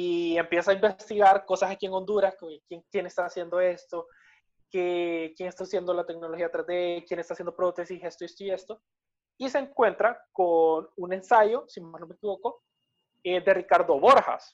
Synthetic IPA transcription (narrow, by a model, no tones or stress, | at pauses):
ie̞mpje̞saimbe̞st̪iɣaɾko̞sasakie̞ŋo̞nd̪uɾaskokjeŋkje̞ne̞st̪asje̞nd̪o̞e̞st̪o̞ | kekje̞ŋest̪aasje̞nd̪o̞lat̪e̞kno̞lo̞xiat̪ɾazd̪ekje̞nest̪asjend̪o̞pɾot̪e̞sise̞st̪oest̪oie̞st̪o̞ | ise̞ŋkwe̞nt̪ɾakonune̞nsaʝo̞simano̞me̞kiβo̞ko̞ | ed̪e̞rikaɾðo̞βo̞ɾxa̰s